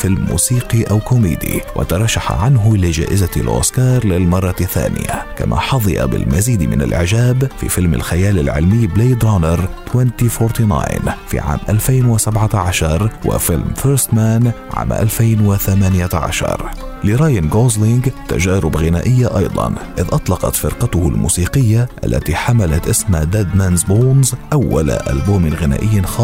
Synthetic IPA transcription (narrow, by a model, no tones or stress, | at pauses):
fɪlmːṵːsiːqiʔawkʊmiːd̪ḭwʔɪ̰t̪ɑɾˤɑʃːaħa̰ʕanɦʊlɪd͡ʒa̰ːʔɪzalʔo̰ːskɑːɾˤlɪlmɑrˤːɑθːa̰ːnɪ̰ja̰ka̰ma̰ħɑðˤɨja̰bɪ̰lmaziːd̪mɪ̰na̰lʔɪ̰ʕd͡ʒaːbfḭfɪlmɪ̰lxajaːlɪlʕɪ̰lmɪjːbleːd̪ɾanɑɾˤt̪wɛnt̪ifoːɾt̪ina̰ːjnfḭːʕa̰ːmʔalfeːnwɪsabʕaʕaʃɑɾˤwɪ̰fɪlmfɛɾst̪maːnʕa̰ːmʔa̰lfeːnwɪθamaːnɪjaʕa̰ʃɑ̰ɾˤlɪɾˤɑːjanɡoːzlɪŋɡt̪a̰ʒaːɾʊbɣɪnaːʔɪjːaʔɑjd̪ˤɑ̰nʔɪðʔɑt̪ˤlɑqɑ̰t̪fɪɾqɑt̪ʊhʊlmṵːsiːqɪjːaʔa̰lːa̰t̪iħamalat̪ʔɪsmad̪aːd̪manzboːnzʔawːa̰lʔa̰lboːmɪnɣɪna̰ːʔɪjːanxɑː